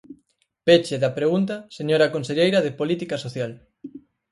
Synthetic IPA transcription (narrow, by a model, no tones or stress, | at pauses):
pet͡ʃeðɐpɾeɣunt̪̬ɐseɲoɾɐkonseʎejɾɐðɪpolit̪ikɐsoθjal